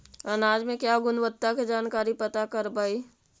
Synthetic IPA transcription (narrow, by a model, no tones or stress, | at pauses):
ənaːd͡ʒmẽkjaːɡʊnʋət̪ːaked͡ʒaːnkaːɾipət̪akəɾbaːi